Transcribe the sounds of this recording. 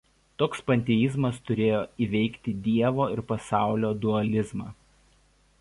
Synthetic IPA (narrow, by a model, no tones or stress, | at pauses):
t̪oːkspɐnʲt̪ʲɛɪzmɐst̪ʊɾʲeːjoːiːʋʲɛɪkt̪ʲɪd̪ʲiɛʋoːɪɾpɐsɑˑʊlʲoːd̪ʊɐlʲɪzmɑː